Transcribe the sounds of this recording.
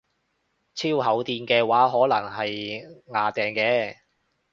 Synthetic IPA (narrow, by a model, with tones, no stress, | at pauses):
t͡sʰiː˥wɦɐ˨˥wt̪iː˧nkɛː˧waː˨˥ɦɔː˨˥lɐ̰˨˩ŋɦɐ˨jŋaː˨t̪ɛː˨ŋkɛː˧